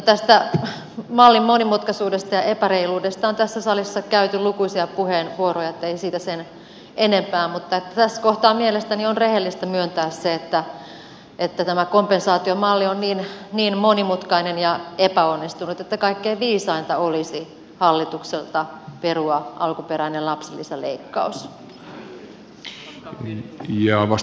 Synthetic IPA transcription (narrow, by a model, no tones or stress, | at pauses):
not̪æst̪æ | mɑlːimmonimut̪kɑsuːdest̪ɑjɑʔepæreiluːdest̪ɑont̪æsːæsɑlisːɑkæyt̪ylukuisiɑpuhenʋuorojɑet̪ːeisiːt̪æsen | ʔenempæːmmut̪ːɑet̪ːæt̪æskoht̪ɑːmmielest̪ænionrehelːist̪æmyønt̪æːsseet̪ːæ | ʔet̪ːæt̪æmækompensɑːt̪iomɑlːionniːnniːnmonimut̪kɑinenjɑepæonːist̪unut̪et̪ːækɑikːeiʋiːsɑint̪ɑolisi | hɑlːit̪ukselt̪ɑperuɑʔɑlkupeɾæinellɑpselːiselḛikːɑ̰us | jɑʋɑs